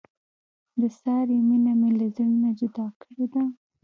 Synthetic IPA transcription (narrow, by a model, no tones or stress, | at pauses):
d̪əsɑɾeminamelazəɽinad͡ʒʊd̪ɑkəɽed̪a